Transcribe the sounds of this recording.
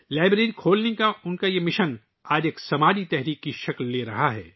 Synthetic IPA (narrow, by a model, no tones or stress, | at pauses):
laːɪbɾeːɾikʰoːlnekaʊnkajemɪʃən | aːd͡ʒeːksɐmaːd͡ʒit̪ɛɦɾiːkːiʃɐklːeːɾɐɦaɦɛ̰ː